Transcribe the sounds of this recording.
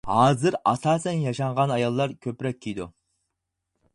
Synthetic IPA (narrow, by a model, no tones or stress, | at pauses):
hɑːzɨɾɑsɑːsɛnjɑʃɑɴʁɑnɑjɑlˠːɑɾkʲʰøpɾɛk̚ʲʰːijd̪ṵ